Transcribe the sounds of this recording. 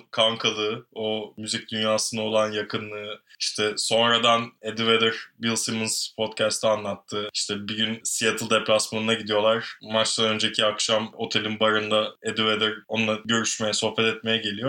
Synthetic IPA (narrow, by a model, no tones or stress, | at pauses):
kʰaŋkʰalˠɯomyzic̚d̪ynjaːsɯnao̞lˠanjakʰɯnlˠɯːiʃt̪ʰɛso̞nɾad̪aned̪ived̪ɛɾbilˠsimɯnzpʰo̞t̪cʰæst̪ʰɛanlˠat̪ʰːɯːiʃt̪ʰɛbiɟynsijet̪ʰɯlˠd̪ɛplʲasmanɯnaɟid̪ijo̞lˠaɾ̥mat͡ʃt̪ˠanø̞nd͡ʒecʰiakʃamo̞t̪ʰe̞lʲinbaɾɯnd̪aed̪ived̪ɛɾonˠaɟø̞ɾyʃme̞jɛso̞hpɛt̪ɛt̪̚me̞jɛɟe̞lʲijo̞